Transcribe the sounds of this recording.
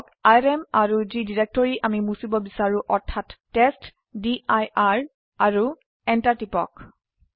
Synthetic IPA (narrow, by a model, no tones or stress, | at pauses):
k | ajɹemaɹuzidiɹek̚tɔɹiʔamimusibɔbisaɹũʔɔɹtʰːatːest | diʔajaɹ | aɹu | ɛntaɹtipɔ̰k